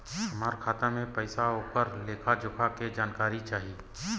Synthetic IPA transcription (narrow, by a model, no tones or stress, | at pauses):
ɐmaːɾkʰaːt̪amẽpɛɪsaoːkəɾleːkʰad͡ʒʊkʰaked͡ʒaːnkaːɾit͡ʃaːɦiː